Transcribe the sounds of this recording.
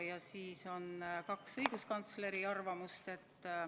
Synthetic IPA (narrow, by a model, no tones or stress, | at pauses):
jɑsiːso̞nkɑksɤjɡ̥uskɑnt̪sle̞ɾiɑrvɑmust̪e̞t̪ː